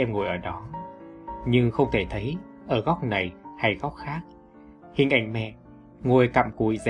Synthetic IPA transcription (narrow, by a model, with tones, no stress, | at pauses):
ʔɛ˧mŋo˨˩jʔəː˧˩ɗɔ˨˦ | ɲɨ˧ŋxə˧wŋ͡mt̪ʰe˧˩t̪ʰə˨˦j | ʔəː˧˩ɣɔ˦˥k͡p̚na˨˩jha˧jɣɔ˦˥k͡p̚xaː˦˥k̚ | hḭ˨ənʔa˧˩jŋ̟mɛ̰˧˨ | ŋo˨˩jka̰ː˧˨mkṵ˧˩˨jz